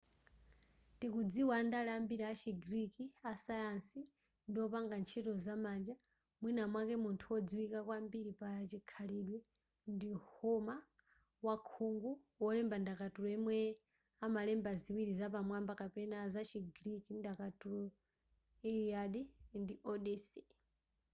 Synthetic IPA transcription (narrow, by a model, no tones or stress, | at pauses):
tikud͡ziwaːndalɛambiɾaat͡ʃʰiɡiɾikiasajansi | ndiɔpaŋɡant͡ʃʰɛtɔzamand͡ʒa | mwinamwakɛmuntʰuwɔd͡ziwikakwambiɾipaat͡ʃikʰaliɗwɛ | ndihɔma | wakʰuŋɡu | wɔlɛmbandakatulɔɛmwɛ | amalɛmbaziwiɾizapamwambakapɛnazat͡ʃʰiɡiɾikindakatuɾɔ | ɛɾiaɗindiʔɔɗisi